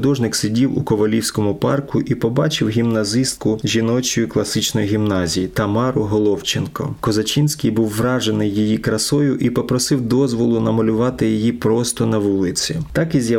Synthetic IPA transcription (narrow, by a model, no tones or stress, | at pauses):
d̪ɔʒnɪksʲidʲiwʊ̰kɔʋɐlʲiwsʲkɔmʊpɑrkʊʔipɔbɑt͡ʃɪwɦʲimnɐzɪst̪̚kʊʒʲinɔt͡ʃɔjʊklˠɐsɪt͡ʃnɔjiɦʲimnɑzʲijit̪ɐmɑɾʊɦɔlˠɔwt͡ʃenkɔ̰kɔzɐt͡ʃinʲsʲkɪjbuwːɾɑʒenɪjːijikɾɐsɔjʊʔipɔpɾɔsɪwd̪ɔzʋɔlˠʊnɐmɐlʲʊʋɑt̪ɪjijipɾɔst̪ɔnɐʋulˠɪt͡sʲit̪ɑkizʲjɐ